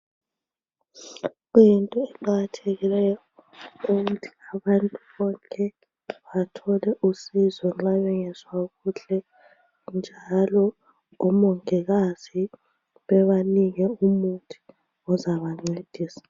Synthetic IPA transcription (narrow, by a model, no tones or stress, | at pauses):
ɣujintʼɔɛǃaɣatʰeɣilɛjɔuɣutʰi̥aβantʼuβɔŋkʼɛ | βatʰɔlɛʔusizɔŋ͡ǁaβɛŋɛswaɣuɬɛ | nd͡ʒʱalɔ | ɔmɔŋɛɣazi | βɛβaniŋɛumuntʼi̥ | ɔzaβaŋ͡ǀed̥ʱiːsḁ